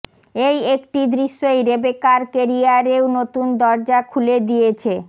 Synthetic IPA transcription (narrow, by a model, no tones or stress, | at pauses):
ejek̚ʈid̪ɾiʃːojɾebekaɾkeɾiaɾeonot̪und̪ɔɾd͡ʑakʰuled̪ijet͡ɕʰe